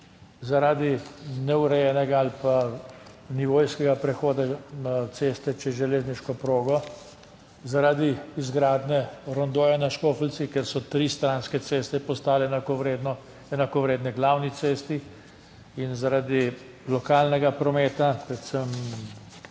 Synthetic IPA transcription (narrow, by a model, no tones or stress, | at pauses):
zaɾaːd̪inɛuɾɛjɛnɛɡaalpa | niʋoːjskɛɡapɾɛxoːd̪at̪seːst̪ɛt͡ʃɛʒɛleːzniʃkɔpɾoːɡɔ | zaɾaːd̪iizɡɾaːd̪nɛɾɔnd̪oːjanaʃkoːfəlsikɛɾsɔt̪ɾiːst̪ɾaːnskɛt̪seːst̪ɛpɔst̪aːlɛnakɔʋɾed̪nɔ | ɛnakɔʋɾeːd̪nɛɡlawnit̪seːst̪i | inzaɾaːd̪i | lɔkaːlnɛɡapɾɔmeːt̪apɾɛt̪səm